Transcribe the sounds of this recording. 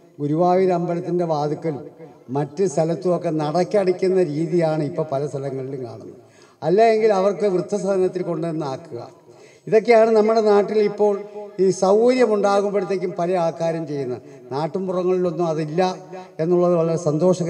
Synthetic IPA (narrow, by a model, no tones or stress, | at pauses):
ɡuɾuʋaːʋiɾɐmbɐlɐt̪ːindeʋaːd̪ukːɐlmɐtːɨst̪ʰɐlɐt̪ːumo̞kːe̞nɐɽɐkʲːiɐɽikʲːunːɐɾiːðijaːɳɨipːo̞ːɭpɐlɐst̪ʰɐlɐŋːɐɭilumka̰ːɳunːu | ɐlːae̞ŋɡilɐʋɐrkɨʋrɨt̪ʰːɐsɐɐnɐt̪ːilko̞ɳɖɨenːɨaːkːuɣɐ̰ | iðo̞k̬ːejaːɳɨnɐmːuɽe̞naːʈːilipːo̞ːɭiːsɐwkɐɾjɐmuɳɖaːɣumpeɾut̪ːe̞ːk̬ʲːumpɐlɐjaːkːaːɾjɐmt͡ɕe̞jːunːɐðnaːʈːumpurɐŋːɐɭilo̞nːumɐðilːɐe̞nːuɭːɐðɨʋɐɭɐɾɐsɐnd̪o̞ːʂɐɣ